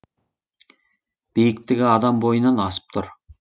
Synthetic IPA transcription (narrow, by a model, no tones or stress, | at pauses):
b̥ijɪkt̪ɪɡʲɪɑd̪ɑmbo̞jənɑnɑsə̥p̚t̪ʰʊɾ